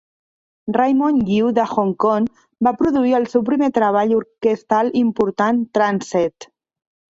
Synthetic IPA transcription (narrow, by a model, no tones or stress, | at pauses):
rajmoŋɡiwðəxoŋkoŋ | bapɾuðuiəlˠsewp̬ɾimet̪ɾəβ̞aʎuɾkəst̪alˠimpuɾt̪ant̪ɾansɛt̪